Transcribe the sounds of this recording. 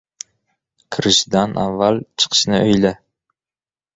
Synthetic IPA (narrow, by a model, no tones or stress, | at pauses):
kʰɾɪʃd̪anʔa̰vːalt͡ʃʰɨ̥qʰɨ̥ʃnɪʔɵjlɪ